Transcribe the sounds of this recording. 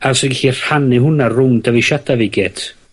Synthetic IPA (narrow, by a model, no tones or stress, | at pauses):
arsɔɡɪɬir̥hanɪhʊnarʊmdavɪʃadavɪɡɛtʰ